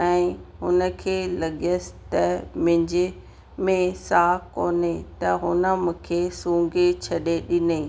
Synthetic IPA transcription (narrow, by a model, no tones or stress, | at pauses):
ɛ̃ːɦʊnə̆kʰeːlɐɠiəst̪ɐmɪ̃ɲd͡ʑɪ | mẽsaːkoːnet̪ɐɦʊnə̆mʊ̃kʰeːsũːŋɡet͡ɕʰɐɗeɗɪnei